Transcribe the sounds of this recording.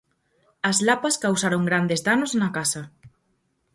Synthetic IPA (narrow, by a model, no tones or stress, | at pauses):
ɐzlapɐskawsaɾoŋɡɾand̪ezðanoznɐkasɐ